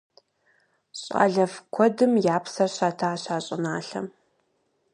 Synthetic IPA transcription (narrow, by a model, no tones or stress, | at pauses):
ɕʼa̰ːɮɐvkʷʰɔdɨmjaːpʰsɐrɕaːtʰaːɕaːɕʼɪnaːɬɐ̰m